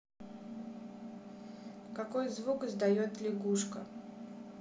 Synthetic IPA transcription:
kɐkojzvukɨzd̪ɐjot̪lʲɪɡuʂkə̰

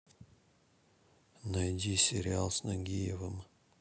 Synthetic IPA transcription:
nɐjdʲisʲɪɾʲɪalˠsnɐɡʲijevɨm

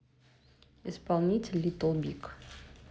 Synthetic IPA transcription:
ispalˠnʲitʲɪlʲːit̪ɔlˠbʲik

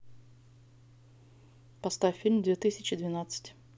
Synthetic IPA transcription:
pɐst̪afʲfʲːilʲmd̪vʲeɛt̪ɨsʲɪt͡ɕɪd̪vʲɪnat̪sɨ̥tʲ

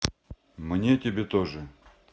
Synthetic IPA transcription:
mnʲetʲɪbʲet̪oʐɨ

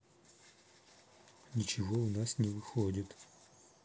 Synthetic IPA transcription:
nʲɪt͡ʃɪvoʊnasnʲɪvɨxodʲɪt̪

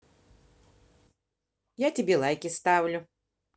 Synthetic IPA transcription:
jatʲɪbʲelˠajkʲɪst̪avlʲʊ

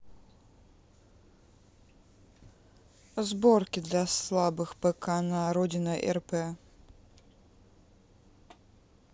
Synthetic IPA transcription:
zbɔrkʲid̪lʲɐslˠabɨxpɛkʰanaɾɔdʲinɐʔɛ̰rpɛ

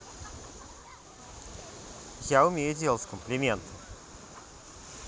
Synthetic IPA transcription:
jaʊmʲejʊdʲelˠətʲsʲkəmplʲɪmʲent̪ʰə

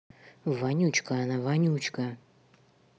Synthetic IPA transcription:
vanʲut͡ɕkaanavanʲut͡ɕkɐ

